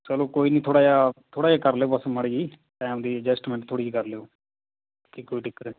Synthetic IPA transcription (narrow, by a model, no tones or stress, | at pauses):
səloːkoːiːnĩːt̪ʰoːɽaːaːt̪ʰoːɽaːd͡ʒaːkəɾleoːpəsmaɽiːd͡ʒiː | ʈɛːmd̪iːəd͡ʒɛsʈmɛ̃ɳʈt̪ʰːoːɽiːd͡ʒiːkəɾleːoː | kikoːiːʈɪkːət̪